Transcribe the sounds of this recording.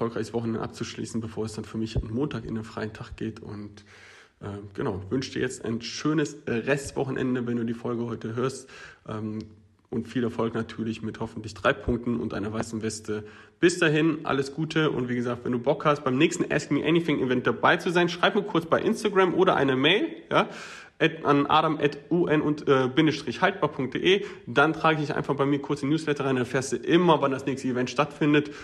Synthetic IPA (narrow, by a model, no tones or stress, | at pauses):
ɐfɔlkʁaɪçəsvɔχn̩ɛndə̰ʔa̰p̚t͡suʃlḭːsn̩bəfoːɐɛsd̥anfyːɐmɪça̰nmoːntʰaːkɪ̰ndeːnfʁ̥aɪəntʰaχɡ̥eːtʰʊ̰nt | ʔɛːɡ̥ənaʊvʏnʃd̥iːɐjɛt͡sta̰ɪnʃøːnəsʁɛstv̥ɔχn̩ʔɛ̰ndəvɛnduːdiːfɔlɡəhɔʏtəɦøːɐstʔɛːm | ʔʊntfiːlɛɐfɔlknatʰyːɐlɪçmɪthɔfn̩tlɪçd̥ʁaɪpʰʊŋk̚tn̩ʊ̰ntʔaɪnɐvaɪsn̩vɛstəb̥ɪsd̥aɦɪnʔa̰ləsɡ̥uːtʰəʔʊ̰ntv̥iːɡəzaːk̚tv̥ɛ̰nduːbɔkhast̚b̥aɪmnɛːçstn̩ʔɛ̰skmiːɐʔɛniθɪŋʔivɛnt̚d̥abaɪt͡suzaɪnʃʁ̥aɪpmiːɐkʰʊɐt͡sb̥aɪʔɪnstaɡʁamʔoːɾɐʔa̰ɪnəmɛɪljaː | ʔɛʔanʔa̰ːɾamʔɛtʔuːʔɛnʔʊntʔɛːbɪndəʃtʁ̥ɪçhalt̚b̥aːɐpʰʊŋk̚td̥ḛːʔeːd̥antʁ̥aːɡəɪç̥ɪçʔa̰ɪnfaχb̥aɪmiːɐkʰʊɐt͡sənjuːslɛtɐʁaɪndanfɛːɐstd̥uːʔɪmɐvandasnɛːçstəivɛntʃtatfɪndət